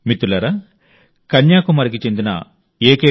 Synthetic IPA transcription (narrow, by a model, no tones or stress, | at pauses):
mit̪ːulɐɾɐ | kɐɲjaːkumɐɾik̬it͡ʃe̞nd̪inɐ̰ | eːkeː